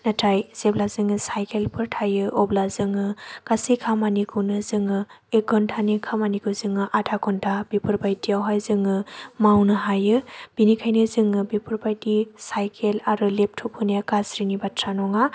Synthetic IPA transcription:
natʰajz̥eblazɯŋɯsajkʰelpʰɯɾtʰajɯʔɔblazɯŋɯkasikʰamanikʰɯwnɯzɯŋɯ | ek̚ɡɔntʰanikʰamanikʰɯzɯŋɯʔatʰakɔntʰab̥ipʰɯɾbajtijawɦajzɯŋɯmawnɯɦajɯb̥inikʰajnɯzɯŋɯbipʰuɾbajtisajkʰelaɾɯlep̚tʰupʰhɯniakasɾinibatʰɾanɔŋa

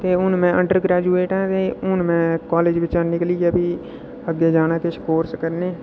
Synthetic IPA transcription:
t̪eːʊnmɛ̃ːʔəɳɖəɾɡɾɛːd͡ʒuːeːʈɛ̃ːt̪eːʊnmɛ̃ːkaːleːd͡ʒʋɪt͡ʃaːnɪkliːaːbiː | əɡːeːd͡ʒaːnaːkeʃkoːɾskəɾneː

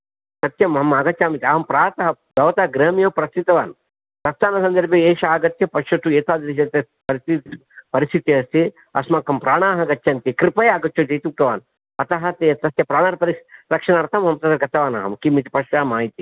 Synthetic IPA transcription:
sɐt̪jɐmɦɐmaːɡɐt̪t͡ʃaːmit̪iaːɦɐmpɾaːt̪ɐɦɐɡ̪ɐʋɐt̪ɐɐɡɾɐːmijoːpɾɐst̪it̪ɐʋaːn | t̪ɐst̪ʰaːnɐsɐnd̪ɐɾbjɐeːʃaːɡɐt̪jɐpɐʂɐt̪ueːt̪aːd̪ɾiʃ̬ɐt̪ɐ | pɐɾii | pɐɾist̪ʰit̪jɐst̪i | ɐ̰smaːkɐmpɾaːɳaːɦɐɡɐt͡ʃːʃɐnt̪ikɾipɐjaːɡɐt͡ʃːt͡ʃːod͡ʒɐjt̪iuk̚t̪ɐʋaːn | ɐt̪ɐɦɐt̪et̪ɐst̪jɐpɾaːɳaːɾpɐɾiɾɐkʂɐnaːɾt̪ʰɐmɦɐmɐt̪ɐd̪ɐɾɡɐt̪ɐʋaːna̰ːɦɐmkimit̪i̥pɐʃaːmaːjit̪i

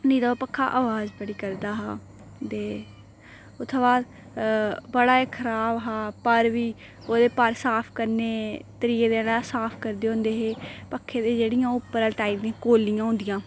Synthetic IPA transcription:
niːt̪apəkʰːa̰ːʔaːʋaːzbəɽiːkəɾd̪aːɦaː | t̪eː | ʊt̪ʰːʋaːd̪ | bəɽaːeːkʰəɾaːbɦaːpəɾʋiː | oːd̪eːpəɾsaːpʰkəɾneːt̪əɾiːeːd̪eːɽaːsaːpʰkəɾd̪eːɦõːnd̪eːɦeːpəkʰːeːd̪eːd͡ʒeːɽɪjãːʊpːəɾəlʈaːiːld̪ĩãːkoːlɪjãːɦʊ̃nd̪ɪjãː

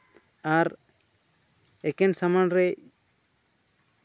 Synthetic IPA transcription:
aɾ | ɛkɛnsamanɾɛ

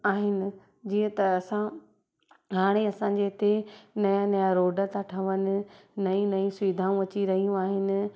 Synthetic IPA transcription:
aːɦɪnɪ̆ | d͡ʑiːə̃t̪ɐːsã | ɦaːɽ̃eɐsã̆ːd͡ʑet̪ʰenɐjãnɐjaɾoːɖət̪ʰaʈʰɐʋənɪ̆nɐĩnɐĩsʊʋid̪ʱaːũɐt͡ɕiɾɐɦijũaːɦɪnɪ̆

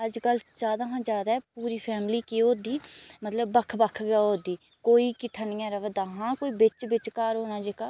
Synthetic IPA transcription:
əd͡ʒkəld͡ʒaːd̪aːɦãːd͡ʒjaːd̪aːɛːpuːɾiːpʰɛːmliːkeːoːd̪iːmət̪ləbːəkʰbəkʰɡəod̪iː | koːiːkɪʈʰənɪjãːɾəʋd̪aːɦãːkoːiːbɪt͡ʃbɪt͡ʃkaːɾɦoːnãːd͡ʒekaː

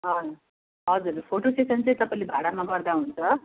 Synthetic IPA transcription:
ɦʌ | ɦʌd͡zuɾpʰoʈosʈesʌnt͡sejt̪ʌpalibʱaɽamaɡʌɾd̪aɦunt͡sʰʌ

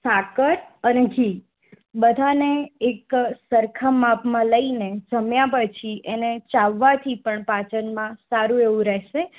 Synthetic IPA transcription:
sakəɾəneɡʱi | bəd̪ʱaneːksəɾkʰəmːapmãləined͡ʒəmjãpət͡ʃʰiʔenet͡ʃaʋːat̪ʰipəɳpat͡ʃənmãsaɾũeʋũɾɛʃe

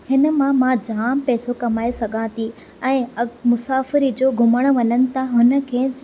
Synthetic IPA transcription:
hɪnə̆mãmãd͡ʑaːmpɛːsokɐmaːesɐɡʱãːt̪ʰi | ɛ̃ːɐmʊsaːfɪɾid͡ʑoːɡʱʊməɽ̃̆ʋɐɲənɪ̆t̪ʰãɦʊnə̆kʰeː

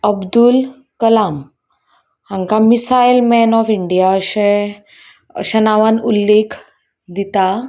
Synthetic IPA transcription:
əbd̪ul | kəlam | hãŋkamisailmɛnɔfiɳɖijaəɕẽ | ə̰ɕanaʋanulːekʰ | d̪it̪a

